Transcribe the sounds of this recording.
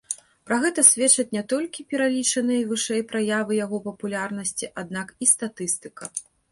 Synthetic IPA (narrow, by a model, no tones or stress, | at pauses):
pɾaɣɛt̪ɐsʲvʲɛt͡ʂɐt͡sʲnʲɛt̪ɔlʲkʲipʲɛɾalʲit͡ʂɐnɨjɐvɨʂɛjpɾajavɨjaɣɔpɐpulʲarnɐsʲt͡sʲiʔad̪̚nakist̪at̪ɨst̪ɨkɐ